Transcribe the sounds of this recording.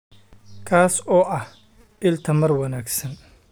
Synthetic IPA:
kʰaːsɔːʔɐh | ʔɪlt̪ʰɐmɐrwɐnaːɡsɐn

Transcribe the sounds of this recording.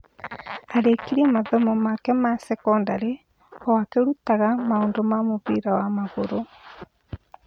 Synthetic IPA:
aɾekiɾiɛmaðɔmɔmakɛmasɛkɔndaɾe | ɔwakeɾutaɣamaoːndomamoβiɾawamaɣoɾo

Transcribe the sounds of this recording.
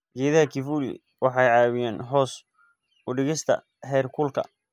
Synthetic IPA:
ɡ̥ɛːðɐɦɐkʰɪfuːlɪ̰ | wɑħɑjʕɑːwɪjɛːnɦɔːs | ʊɖɪɣɪst̪ʰɐ̰ | hɛːrkʰʊlkʰɐ̰

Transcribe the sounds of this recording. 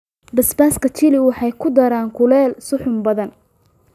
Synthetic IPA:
bɐsbaːskʰɐt͡ʃʰɪlɪwɑħɑjkʰʊd̪ɐɾaːŋkʰʊlɛːlsʊħʊmbɐðɐn

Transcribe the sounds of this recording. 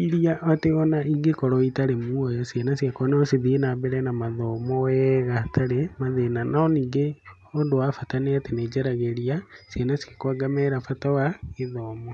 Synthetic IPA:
iɾiaʔateɔnaiɡekɔɾɔitaɾemuojɔsienasiakonɛosiðinabɛɾɛnamaðɔmɔwɛɣatʰaɾemaðenanaoniɡe | ondoafataneatened͡ʒeɾaɣeɾiasienasiakwaɡamɛɾafatawaeðɔːmɔ

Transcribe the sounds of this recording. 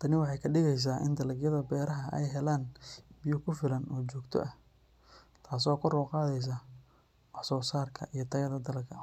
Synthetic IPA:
t̪ʰɐnɪwɑħɑjkʰɐɖɪɣɛjs̬aːʔɪ̰nd̪ɐlɐɡjɐðɐbɛːɾɐɦɐʔɛ̰jɦɛlaːnbɪjʊkʰʊfɪlɐnɔːt͡ʃɔːɡt̪ʰɔ̰ʔɐ | t̪ʰaːs̬ɔːkʰɔrɔːqɑːðɛjs̬aː | wɑħsɔːsaːrkʰɐ̰ʔijɞt̪ʰɐɣɐðɐd̪ɐlkʰɐ

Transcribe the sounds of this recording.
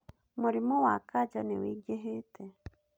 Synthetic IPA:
muɾimuwakaɟɔniwiɡeɦitɛ

